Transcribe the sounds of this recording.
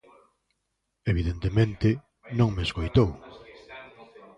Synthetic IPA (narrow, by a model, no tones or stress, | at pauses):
eβiðent̪emẽnt̪ɪ | nõŋmeskojt̪ow